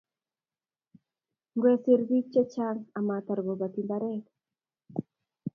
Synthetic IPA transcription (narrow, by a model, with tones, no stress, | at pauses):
ŋɡwe˦se˨ɾbi˦t͡ʃːe˦t͡ʃa˦ŋa˨mat̪a˨ɾɡo˨ba˨t̪i˨nd̪aɾɛ˦k